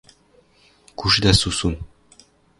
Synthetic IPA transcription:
kʉʃɘd̪æsusun

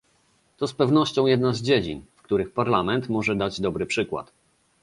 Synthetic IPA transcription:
t̪ɔspɛvnɔɕt͡ɕɔ̃w̃jɛd̪nazd͡ʑed͡ʑḭnfkt̪uɾɘxpaɾlamɛnt̪mɔʐɛd̪ad͡ʑd̪ɔbɾɘpʂɘkwa̰t̪

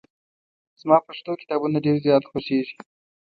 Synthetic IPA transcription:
z̥mɑpaʃt̪okɪ̥t̪ɑbunaɖeɾzjɑt̪xoʃeʒi̥

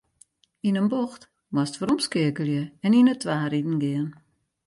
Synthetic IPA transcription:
inənboxt | ʋastfəɾɔmskɪəkəlˠjəɛninətʰʋaːɾidn̩ɡɪən

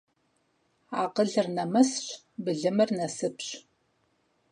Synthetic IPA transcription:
aːqəɮɨrnɐmɐsɕ | bɨɮɨmɐrnɐsɨpɕ

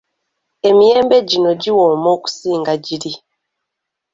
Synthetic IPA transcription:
emijeːmbeɟinoɟiwoːmoku̥siːŋɡaɟiɾi

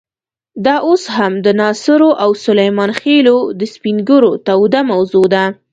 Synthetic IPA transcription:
d̪ɑʔoshamd̪ənɑsɪɾoʔawsʊlajmɑnxelod̪əspiŋɡəɾot̪awd̪amawzod̪a

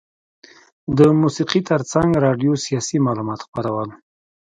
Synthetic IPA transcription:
d̪əmusiqit̪əɾt͡saŋɡɾɑɖjosijɑsimɑlumɑt̪xpəɾawən

